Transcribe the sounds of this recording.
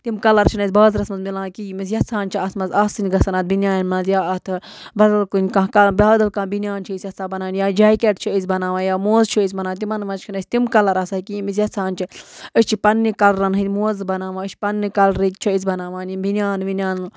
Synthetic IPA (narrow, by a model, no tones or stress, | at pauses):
t̪imkɐlɐɾt͡ʃʰinɐsʲbɐːzɾɐsmɐzmilãːkimisjɐt͡sʰaːnt͡ʃʰiɐt̪mɐzɐsɨnʲɡɐsɐnɐːt̪̚binʲjaːnmɐzjaːɐt̪ʰ | bɐd̪ɐlkunʲkãːkɐbɐːd̪ɐlkãːbinʲjaːnt͡ʃʰiisʲjɐt͡saːbɐnaːnjaːd͡ʒaːjkʲeʈt͡ʃʰiisʲbɐnaːʋaːnjaːmoːzt͡ʃʰiis̬ʲmɐnaːnʲt̪imɐnmɐzt͡ʃkʰinɐsʲt̪imkɐlɐɾɐsakimisjɐt͡sʰaːnt͡ʃʰiəsʲt͡ʃʰipɐnːikɐlɾɐnɦɨmoːzbɐnaːʋãət͡ʃʰi̥pɐnːikɐlɾikt͡ʃʰiis̬ʲbɐnaːʋaːnibinʲaːnʋinʲaːn